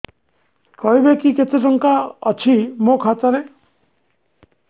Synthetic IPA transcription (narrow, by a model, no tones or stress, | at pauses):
kʌɦjbekiket͡seʈɔŋkaʌt͡ʃʰimokʰat͡saɾe